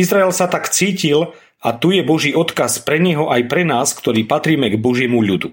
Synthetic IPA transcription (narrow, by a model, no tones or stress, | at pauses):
izɾaɛlsat̪akt͡siːcil | at̪ujɛbɔʒiːɔt̪kaspɾɛɲɛɦɔʔajpɾɛnaːskt̪ɔɾiːpat̪ɾiːmɛɡbɔʒɪɛmuʎud̪u